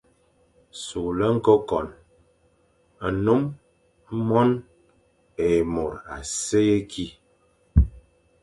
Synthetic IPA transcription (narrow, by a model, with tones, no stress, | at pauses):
su˨lə˦ŋ̩˦ko˦kɔ˨n | a˨nu˦m˦ | mɔ˦n | e˨mo˨ɾa̰˨se˦je˦kʰi˦